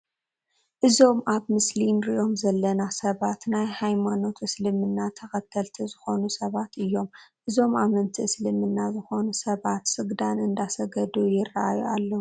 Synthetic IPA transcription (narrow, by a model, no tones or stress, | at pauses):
ʔɨzo̞mʔaβmɨslinɾiʔo̞mzɐlːɐnasɐβat̪najhajmano̞t̪ɨslɨmɨnːat̪ʰɐxɐt̪ʰːɐlt̪ʰizɨxo̞nusɐβat̪ɨjːo̞mʔɨzo̞mamɐnt̪ʰiɨslɨmɨnːazɨxo̞nusɐβat̪sɨɡd̪anɨnd̪asɐɡɐd̪ujɪraʔajualːɐu